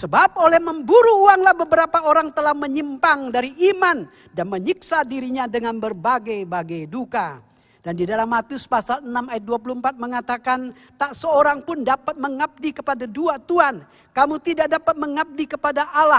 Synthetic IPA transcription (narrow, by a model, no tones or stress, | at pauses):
səbap̚olɛhməmbuɾuuaŋlahbəbəɾapaoɾaŋt̪əlahməɲimpaŋdaɾiʔiman | danməɲiksadiɾiɲadəŋanbərbaɡajbaɡajduka | d̥andidalamːat̪iʊspasalənamajat̪̚duap̬uluəmpat̪̚məŋat̪akan | t̪aʔsəoɾaŋpʊndapat̪̚məŋap̚dikəpadaduat̪uan | kamut̪idakdapat̪̚məŋap̚dikəpadaʔala